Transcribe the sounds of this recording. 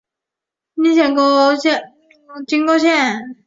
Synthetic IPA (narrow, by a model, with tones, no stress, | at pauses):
ni˧˥ɕjɛ˨˩ŋko˥ʊɕɛ˥˧˨ | t͡ɕi˥ŋko˥˧ʊɕjɛ˥˩n